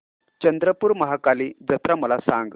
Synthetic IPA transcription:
t͡ɕənd̪ɾəpuːɾməɦakaliːd͡zət̪ɾaməlasaŋɡ

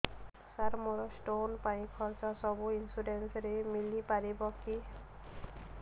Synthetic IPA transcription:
saɾmɔɹɔsʈonpanikʰɔɹzɔsɔbuinsudensɾemilipaɹibɔki

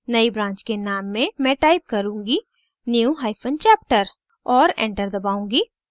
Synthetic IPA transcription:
nɐibɾãːɲt͡ʃkenaːmːẽmɛ̃ʈaːɪp̚kɐɾũːŋɡi | njuɦaːɪfʰənt͡ʃɛːp̚ʈəɾ | ɔːɾɛ̰̃ːɳʈəɾd̪ɐbaːũːŋɡiː

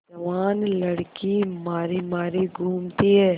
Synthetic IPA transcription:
d͡ʒɐʋaːnlɐɽkimaːɾimaːɾiɡʱuːmt̪iɦɛː

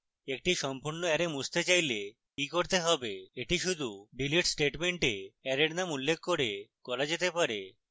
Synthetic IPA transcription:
ek̚ʈiʃɔmpuɾnoɛɾemud͡ʑt̪et͡ɕajle | kikoɾt̪eɦɔbeeʈiʃud̪ʱuɖiliʈsʈeʈmeɳʈeɛɾeɾnamulːekʰːoɾekɔɾad͡ʑet̪epaɾe

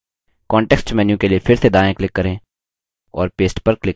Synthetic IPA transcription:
kɔ̃ːɳʈɛːksʈt͡ʃmɛ̃ːnjũkeliepʰɪɾsed̪aːẽklɪkːəɾẽː | ɔːɾpeːsʈpəɾklɪ

